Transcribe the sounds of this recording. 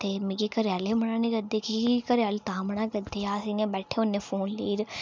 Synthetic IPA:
t̪eːmɪ̃ɡikəɾjaːleːməɳãːnĩːɾəd̪eːkikəɾaːlt̪ãːməɳãːkəd̪eːaːəsĩːnẽːbɛːʈʰeːõːneːpʰoːnliːɾ

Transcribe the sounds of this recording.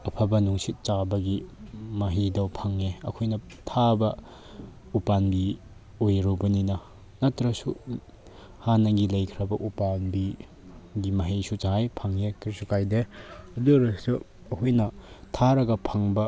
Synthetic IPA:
ɐpʰabɐnuŋsit̚t͡ʃabɐɡimɐɦidɐwpʰɐŋeɐ̰kʰujnɐ | tʰabɐ | upanbi | ojɾubɐninɐ | nɐtɾɐsu | hanɐɡilɐjkʰɾɐbɐʔupanbi | ɡimɐɦisut͡ʃaɦajpʰaŋekɾisukajdeɐduɾɐsu | ɐkʰujnɐtʰaɾɐɡɐpʰɐŋbɐ

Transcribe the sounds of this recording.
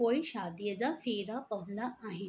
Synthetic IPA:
oiɕad̪jəd͡zafiɾapəʋnaaɦi

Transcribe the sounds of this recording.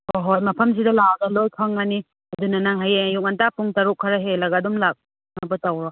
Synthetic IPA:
hoɦojmɐpʰɐms̬idɐlaɡɐlojkʰɐŋːani | ɐdunɐnaŋɦajejuk̚ŋantapuŋtaɾukʰːɐɾɐɦelɐɡadumlak̚ | nɐbɐtawɾɔ

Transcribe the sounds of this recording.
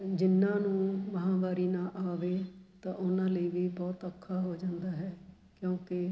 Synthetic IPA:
d͡ʒɪnːãːnũːməɦãːbaːɾiːnãːʔaːʋeːt̪ãːʔʊnãːləiːʋiːbɔːt̪əkʰːaːɦoːd͡ʒãːnd̪aːɦɛː | kjõːkɪ

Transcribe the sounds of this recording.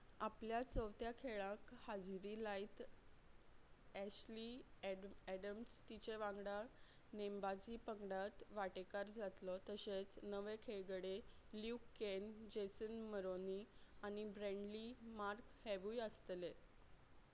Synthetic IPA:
apljat͡səʋt̪jakʰeɭãkhad͡zɾiːlait̪ | ɛɕli | æɽəmst̪it͡ɕeʋãŋɡɽa | nembad͡ʑiːpəŋɡɽat̪ʋaʈekaɾd͡zat̪lɔt̪əset͡snəʋekʰeɡɽe | ljukːend͡ʑesənməɾoniañibɾɛ̃ɳɖlimaɾkhɛʋujəst̪le

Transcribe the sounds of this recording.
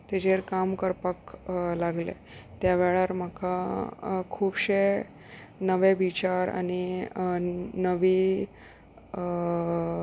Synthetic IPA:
t̪ed͡ʑeɾkamkəɾpəklaɡlḛ | t̪jaʋɛɭaɾm̤akʰa | kʰuːbɕe | nəʋeʋit͡ɕaɾa̰ñi | nəʋi

